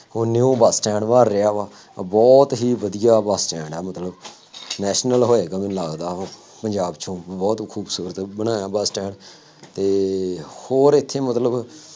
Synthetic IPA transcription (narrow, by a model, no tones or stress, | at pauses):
ʊnːeːõːbaːsʈɛ̃ːɳmaːɾːɪjaːʋaː | bɔːt̪ɦiːʋəd̪ijaːbaːsʈɛːɳɖɛːmət̪ləb | nɛːʃnəlɦoːeːɡamɪ̃nlaːɡd̪aːɦo | pəɲd͡ʒaːbt͡ʃʰõːbɔːt̪kʰuːbsuːɾət̪bənãːjaːbaːsʈɛ̃ːɳ | t̪eːhoːɾɪt̪ʰːeːmət̪ləb